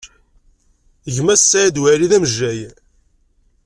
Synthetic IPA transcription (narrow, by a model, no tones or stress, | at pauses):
ʝmæsːæd̪wæɾiðæməʒːæj